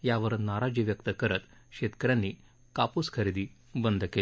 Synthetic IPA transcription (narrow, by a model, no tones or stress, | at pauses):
jaʋəɾnaɾad͡ʑiʋjəkt̪əkəɾət̪ | ɕet̪kəɾjãnːi | kapuskʰəɾid̪iː | bənd̪ʱkel